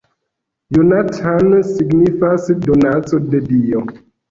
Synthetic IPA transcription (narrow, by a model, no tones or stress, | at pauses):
jonatʰansiɡnifasdonat͡sodedio